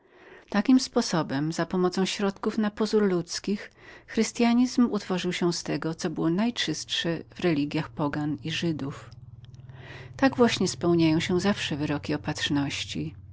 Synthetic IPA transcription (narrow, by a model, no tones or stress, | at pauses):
t̪akʲimspɔsɔbɛmzapɔmɔt̪sɔ̃w̃ɕɾɔt̪kufnapɔzuɾlut̪skʲixːɾɘst̪ʲjaɲizmut̪fɔʐɨwɕɛst̪ɛɡɔt̪sɔbɘwɔnajt͡ʂɘst̪ʂɛvɾɛlʲiɡʲjaxpɔɡaniʐɘd̪uf | t̪aɡvwaɕɲɛspɛwɲajɔ̃w̃ɕɛzafʂɛvɘɾɔkʲiɔpatʂnɔɕt͡ɕi